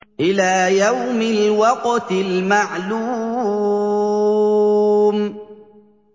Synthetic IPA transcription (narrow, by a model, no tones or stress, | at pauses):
ʔɪlaːjawmɪlwɑqt̪ɪlmaʕluː | m